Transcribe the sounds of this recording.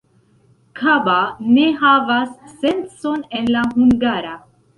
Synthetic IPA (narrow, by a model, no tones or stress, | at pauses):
kʰabaneɦavasːensonenlaɦuŋɡaːɾa